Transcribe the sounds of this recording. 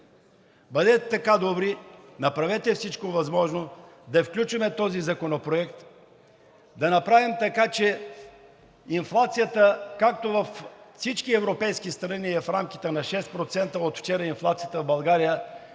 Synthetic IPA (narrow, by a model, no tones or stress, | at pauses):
bɐd̪ɛt̪ɛt̪ɐkad̪obɾinɐpɾɐvɛt̪ɛfsit͡ʃkovɐzmɔʒnod̪ɐfklʲut͡ʃvɐmɛt̪ɔzizɐkonopɾoɛkt̪ | d̪ɐnɐpɾavimt̪ɐkat͡ʃɛ | inflˠat̪sijət̪əkakt̪ovɐfsit͡ʃkiɛvɾopɛjskist̪ɾɐniɛfɾamk̟i̥t̪ɛnɐʃɛst̪pɾot̪sɛnt̪əot̪ft͡ʃɛɾəinflˠat̪sijət̪əvbɐlˠɡaɾijə